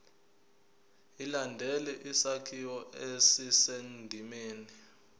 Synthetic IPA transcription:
ilandʱɛlɛʔisakʰiwɔʔesisendʱimeːni

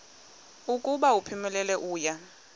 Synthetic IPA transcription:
ukʼuɓaupʰimɛlɛlɛʔuːja

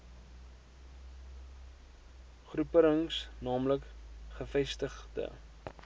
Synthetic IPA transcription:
χrupəɾəŋsnɑːmləkχəfɛstəχdə̰

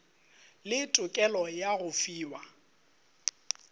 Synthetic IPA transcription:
lɪtʼʊkʼɛlɔjaɣʊfiːwa

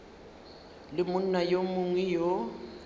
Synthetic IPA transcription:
lɪmʊn̩najomʊŋwɛjo

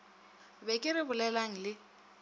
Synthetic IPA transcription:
bɛkʼɪɾɪbʊlɛlaŋ̩lɪ

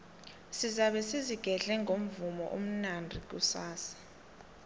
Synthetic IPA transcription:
sizaɓɛsiziɡ̥ʱɛɮɛŋɡʱom̩vumɔ̰ʔom̩nandʱik̬usaːsḁ

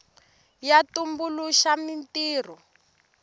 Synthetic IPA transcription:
jatumbuluʃamintiːr̤ɔ

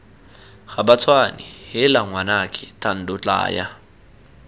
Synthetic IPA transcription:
ɣabat͡sʰwanɪhɪlaŋwanakʼɪtʰʼan̩dʊt͡ɬʼa̰ːja̰

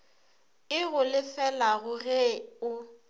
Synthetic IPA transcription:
ɪɣʊlɪfɛlaɣʊɣeʊ

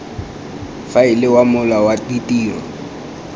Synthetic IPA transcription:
faɪlɪwamʊlawatitʼiːrɔ̰

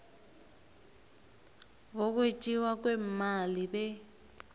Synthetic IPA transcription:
bok̬wet͡ʃʼiwak̬wɛmalibɛ

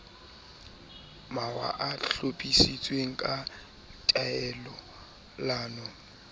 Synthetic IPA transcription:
mawa̰ʔaɬopʼisit͡sʼweŋ̩kʼa | tʼaɛlɔ | laːnɔ

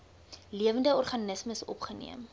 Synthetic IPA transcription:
liəvəndəɔrχɐnəsməsɔ̰pχənḭəm

